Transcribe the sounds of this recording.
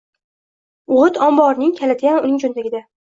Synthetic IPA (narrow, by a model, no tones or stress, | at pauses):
ʊʁɨt̪ʰɒmbɒɾnɪŋkʲʰalad̪ɪɡʲanʊnɪŋd͡ʒond̪aɡʲɪd̪a